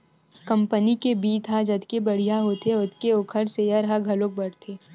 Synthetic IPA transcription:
kɐ̃mpənikebiːt̪ɦad͡ʒɐd̪ʱkebɐɽ̤ijaɦoːt̪eʊt̪keʊkʰəɾsejəɾɦaɡʱɐloːk̚bɐɽt̪ʰeː

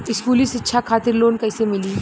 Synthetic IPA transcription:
ɪskuːlisɪtːʃʰakʰaːt̪ɪɾloːnkɐːsemɪliː

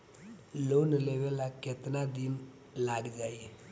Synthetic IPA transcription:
loːnleʋelaket̪nad̪in | laɡd͡ʒaːie

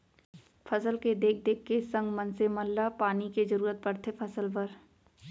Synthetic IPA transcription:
fʰɐsəlked̪eːk̚ʰd̪eːkʰːesɐ̃ŋɡmɐ̃nsemɐlːapaːnikezɐɾuːɾət̪̚pɐɽt̪ʰefʰɐsəlpɐɾ

